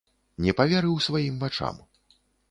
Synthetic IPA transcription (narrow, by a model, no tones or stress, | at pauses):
nʲɛpavʲaɾɨwsvajimvat͡ʂa̰m